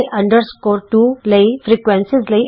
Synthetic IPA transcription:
ʔɐ̃ɳɖəɾskoːɾʈuːleɪfɾiːkʋẽnsɪzle

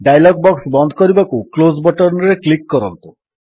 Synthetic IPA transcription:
ɖajlɔɡ̚bɔksbɔnd̪ʱɔkɔɾibakuklozbɔʈɔɾnɔɾeklikːɔɾɔnt̪u

